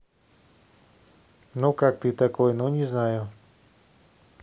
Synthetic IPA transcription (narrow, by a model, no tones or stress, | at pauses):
nokakt̪it̪akojnoɲʲiznajo